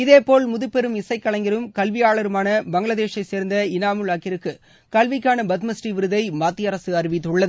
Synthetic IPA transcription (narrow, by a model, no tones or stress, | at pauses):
ɪðeːpoːɭmʊðɯpːɛɾɯmɪsɐɪkːɐɭɐŋɡɪɾɯmkɐlʋɪjaːɭɐɾɯmaːnɐbɐŋɡɭɐðeːʂɐɪseːɾnd̪ɐɪnaːmɯɭaːkɪɾɯkːɯ | kɐlʋɪkːaːnɐbɐt̪̬mɐsʈiʋɪɾɯðɐɪmaːt̪ːijɐɾɐsɯɐɾɪʋɪt̪ːɯɭːɐðɯ